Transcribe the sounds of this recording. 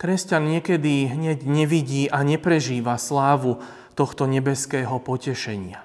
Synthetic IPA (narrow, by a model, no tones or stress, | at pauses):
kɾɛscanɲɪɛkɛd̪iɦɲɛɟɲɛʋiɟiːʔaɲɛpɾɛʒiːʋaslaːʋu | t̪ɔxt̪ɔɲɛbɛskɛːɦɔpɔcɛʃɛɲɪa